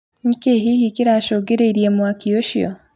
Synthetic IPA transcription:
ŋ̩keɦihikiɾaʃoɡeɾeiɾjemwakijoʃia̰

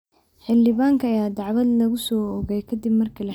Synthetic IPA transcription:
ħɪldɪβaːŋkʰɐːjaːd̪ɑʕwɐd̪lɐɣʊsɔːɔɣɛjkʰɐd̪ɪbmɐrkʰɐlɐ

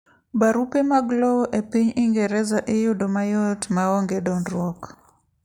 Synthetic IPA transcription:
baɾupemaɡloʔepiɲiŋɡɛɾɛzaʔɪjʊdomajotmaɔŋɡedɔndɾwɔk

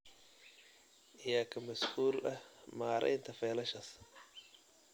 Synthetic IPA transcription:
ʔɪjaːkʰɐmɐshuːlʔɐhmaːɾɛ̰jnt̪ʰɐfɛːlɐʃɐs

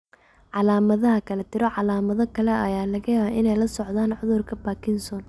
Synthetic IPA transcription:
ʕɑlaːmɐðɐɦɐkʰɐlɛt̪ʰɪɾɔʕɑlaːmɐðɔkʰɐlɛʔɐjaːlɐɣɐjaːβaːʔɪnɛjlɐsɔʕðaːnʕʊðʊrkʰɐbaːkʰɪnsɔːn

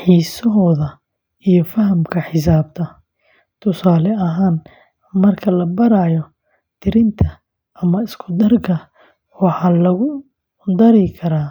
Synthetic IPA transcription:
ħiːsɔɦɔːðɐ | ijɞfɐɦɐmkʰɐħɪs̬aːb̚t̪ʰɐ | t̪ʰʊsaːlɛɐɦaːn | mɐrkʰɐlɐbɐɾaːjɔ | t̪ʰɪɾɪnt̪ʰɐ | ʔɐmɐɪskʰʊd̪ɐrɡʰɐ | wɑħɑːlɐɣʊ | d̪ɐɾɪkʰɐɾaː

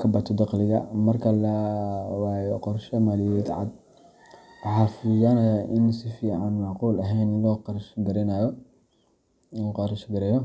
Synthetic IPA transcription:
kʰɐbɐt̪ʰɔd̪ɑqlɪɣɐmɐrkʰɐlɐwaːjɔqɔrʃɔmaːlɪjɔɛt̪ʕɑ̰d̪̚ | wɑħɑːfujaːnɐjaʔɪnsɪfiːʕɑnmɑʕquːlɐɦɛjnlɔːqɑɾʃɡɐɾɛnaːjɔ | lːqɑɾʃɡɐɾɛːjɔ

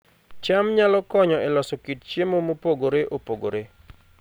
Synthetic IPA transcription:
t͡ʃamɲalɔkɔɲɔɛlɔsɔkit̚t͡ʃjemomopoɡoɾeʔopoɡoɾe

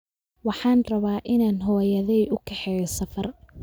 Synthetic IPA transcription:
wɑħɑːnrɐβaːʔɪnaːnɦɔːjɐðɛjʔʊkʰɛħɛːjɐsɐfɐr

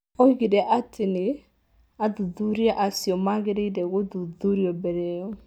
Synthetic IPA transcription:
ɔiɣeɾɛʔatʰene | aðuðuɾiaʔasjɔmaɣeɾeidɛɣoðuðuɾiɔbɛɾɛɔ

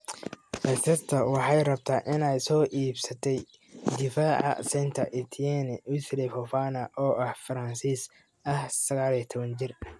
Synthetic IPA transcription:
hɛst̪ʰɐrt̪ʰɐwɑħɑjrɐb̚t̪ʰaːʔɪnɛjsɔːʔiːbsɐt̪ʰɛj | d̪ɪfaːʕɑ̰sɛjnt̪ʰɐʔɪt̪ʰjɛnɪwɪslɛfɔfaːnɐʔɔːʔɐhfɐɾɐnsiːs | ɐhsɐɣaːliɐt̪ʰɔβɐnt͡ʃɪr

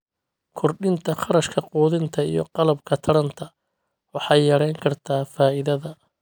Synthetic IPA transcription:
kʰɔrɖɪnt̪ʰɐχɑɾɐʃkʰɐquːðɪnt̪ʰɐḭjɔ̰qɑlɐbkʰɐt̪ʰɐɽɐnt̪ʰɐ | wɑħɑːjjɐɾɛjŋkʰɐrt̪ʰaːfaːɪðɐðɐ

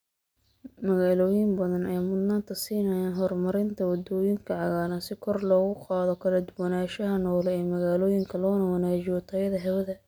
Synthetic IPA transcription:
mɐɣaːlɔːjɪmbɐðɐnɛjmʊd̪naːnt̪ʰɐsiːnɐjaːnɦɔrmɐɾɪnt̪ʰɐwɐd̪ɔːjɪŋkʰɐʕɑɣaːlɐnsɪkʰɔrlɔːɣʊqɑːðɔkʰɐlɐd̪ʊwɐnaːʃɐɦɐnɔːlɛɛːmɐɣaːlɔːjɪŋkʰɐlɔːnɐwɐnaːt͡ʃɪjɔt̪ʰɐjɐðɐɦɛwɐðɐ

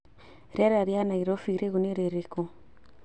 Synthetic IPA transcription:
ɾaɾaɾjanaiɾofiɾeɣuneɾeɾeko

